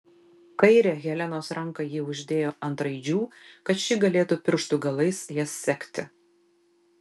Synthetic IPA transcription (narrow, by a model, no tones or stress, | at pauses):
kɐɪɾʲeːɣʲɛlʲɛnoːsɾɐŋˑkɐjiːʊʒʲd̪ʲeːjoːʔɐnt̪ɾɐɪd͡ʒʲuːkɐt̪ʃʲɪɡɐlʲeːt̪uːpʲɪɾʃt̪ʊɡɐlˠɐɪsjɛsːʲɛkʲt̪ʲɪ